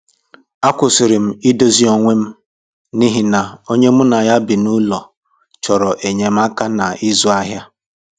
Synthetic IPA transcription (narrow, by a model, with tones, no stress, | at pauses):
a˦kʷʊ˨sɪ˨ɾɪ˨m̩˦i˦do˦zi˦o˨ŋʷe˦m̩˦ | ni˦ɦi˦na˨o˦ɲe˦mʊ˦na˨ja˦bi˨nu˦lɔ˨ | t͡ʃɔ˨ɾɔ˨ʔe˨ɲe˨m̩˦a˦ka˦na˨ɪ˦zu˦a˦ɦja˦